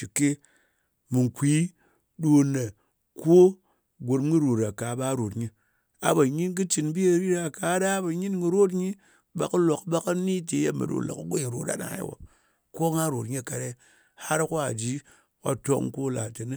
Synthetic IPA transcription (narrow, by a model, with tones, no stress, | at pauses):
t͡ʃi˨kːe˦ | mɨ˨ŋ˨kʷi˨˦ | ɗo˧nːe˨ | ko˦ | ɡʷo˨ɾm˦ɡɨ˦ɾo˨ɾa˨ka˨˦ba˦ɾo˨tɲi˧ | a̰˨ba˨ɲi˦nk̬ɨ˦t͡ʃi˨˧nbi˦e˦˨ɾi˦ɾa˨ka˨˦da˦ba˨ɲi˦nɡi˧ɾo˦t̬ɲi˦ | ba˨kɨ˦lo˨kba˦ka˦ni˦te˨˦je˦mɨ̰˨ɗo̰˨la̰˨kɡʷo˦ɲi˨ɾo˨ta̰˦na̰˨˦wo̰˨ | ko˦ŋa˦ɾo˨tɲi˦˨ka˨ɾe˦ | ha˦ɾko˦a˨d͡ʒi˦ | wa̰˨to˦kŋ˦ko˦la̰˨te˨ni˦